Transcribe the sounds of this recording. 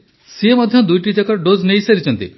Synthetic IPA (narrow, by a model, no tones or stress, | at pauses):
siemɔd̪ʱjɔd̪ujʈid͡ʒakɔɖoznejiseɾit͡ʃʰɔnt̪ḭ